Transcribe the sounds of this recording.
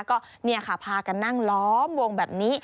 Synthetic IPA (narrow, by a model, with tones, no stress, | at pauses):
kɔː˥˩ni˥˩əkʰa˥˩pʰaː˧ka˧nːa˥˩ŋlɔː˦˥mwo˧ŋbɛː˨˩p̚niː˦˥